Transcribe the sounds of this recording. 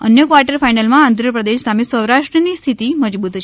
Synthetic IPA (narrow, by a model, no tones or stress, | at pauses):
ə̰njəkʋaɾʈəɾfajnalmãand̪ʱɾəpɾəd̪eʃsamisəwɾaʃʈɾənist̪ʰit̪iməd͡ʒbut̪t͡ʃʰ